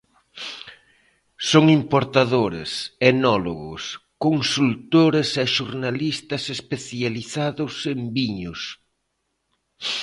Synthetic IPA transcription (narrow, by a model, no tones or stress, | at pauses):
soŋimpoɾt̪aðoɾḛsenɔlo̰ɣʊ̰skoŋsult̪oɾesɛʃuɾnalist̪ɐsespeθjaliθaðʊsembiɲʊs